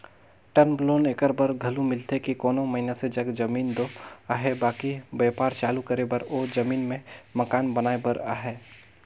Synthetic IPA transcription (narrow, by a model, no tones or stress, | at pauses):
ʈənbloːnekəɾbəɾɡʱɐlũmɪlt̪ekikoːnõməɦɪnased͡ʒɐɡd͡ʒɐmiːnd̪oaɦɛbaːkibɛːpaːɾt͡ʃaːlukəɾebəɾoːd͡ʒɐmiːnmẽmɐkaːnbɐnaːebəɾa̰ːɦɛː